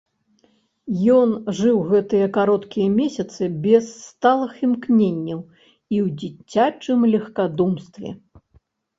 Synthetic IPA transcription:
jɔnʐɨwɣɛt̪ɨjɐkaɾɔt̪kʲijɐmʲesʲɐt̪sɨbʲɛst̪alˠɨximknʲenʲːɐw | iwd͡zʲit͡sʲːat͡ʂɨmlʲɐxkad̪umst̪vʲɛ̰

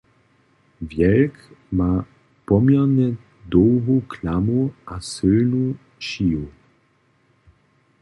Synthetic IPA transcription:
vjɛlkma | pɔmjɛnɛ | d̪ɔwɦuklamuʔasɪlnu | ʃiːu

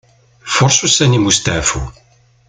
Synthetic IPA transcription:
fʊɾˤsusænimust̪aʕfṵ

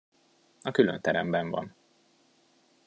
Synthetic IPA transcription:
ɒkylønt̪ɛɾɛmbɛɱvɒ̰n

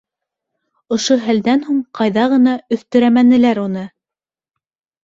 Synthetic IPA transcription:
ŏʃoɦæld̪ænhuɴqɑjðɑʁɤ̆nɑɵ̆θt̪ɵ̆ɾæmænɘ̆læɾunɤ

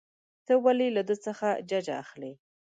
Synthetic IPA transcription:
t̪əwalilad̪ət͡səxad͡ʒad͡ʒa̰ːxle

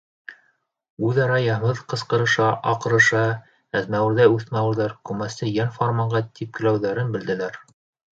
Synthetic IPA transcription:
ʉðɑɾɑjɑhmɤðqɤ̆sqɤ̆ɾɤ̆ʃɑʔɑqɤ̆ɾɤ̆ʃɑ | æðmæwɘ̆ɾðæʉθmæwɘ̆ɾðæɾkʉmæsɘjænformɑɴɢɑt̪ʰip̚kɘ̆læwðæɾɘnbɘ̆ld̪ɘ̆læɾ

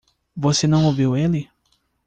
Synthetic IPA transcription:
vosenɐ̃w̃oviwelɪ

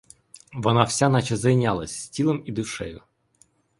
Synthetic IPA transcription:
ʋɔnɑwsʲanɑt͡ʃɐzɐjnʲalˠɐ̰sʲsʲtʲilˠemid̪ʊʃɛjʊ

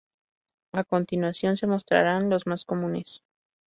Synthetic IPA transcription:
ako̞nt̪inwasjo̞nse̞mo̞st̪ɾa̰ɾanlo̞zmasko̞mũne̞s

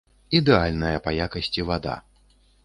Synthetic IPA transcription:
id̪ɛalʲnɐjɐpɐjakɐsʲt͡sʲivad̪a̰

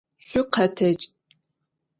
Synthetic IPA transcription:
ɕʷʊqʰɐtʰɐt͡ʃʼ

